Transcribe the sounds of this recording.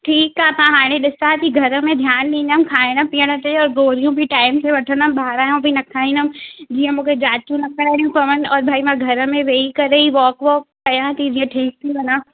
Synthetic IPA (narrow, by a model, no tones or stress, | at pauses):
ʈʰiːkːaːɦt̪ãɦaːɽ̃ẽɗɪsãt̪iɡʱɐɾə̆mẽd̪ʱjaːnɗĩːnd̪əmkʰaːɪɽ̃əpijəɽ̃ət̪eɔːɾɡoːɾijũbʱiʈaːɪmseʋɐʈʰənəmɓaːɾaːjũbʱinɐkʰaːĩnəmd͡ʑiːə̃mũːkʰed͡ʑaːt̪jũnɐkəɽaːɽijũpɐʋənɔːɾbʱaːimãɡʱɐɾə̆mẽʋeːikɐɾeiʋɔːkʋɔːpɐjãt̪id͡ʑiə̃ʈʰiːk̚t̪ʰiʋɐnaː